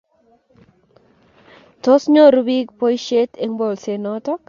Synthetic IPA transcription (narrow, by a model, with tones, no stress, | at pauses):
to˦sɲɔ˦ɾubi˦kpo˦jʃe˦te˦ŋbo˨lse˨nɔtɔ˦k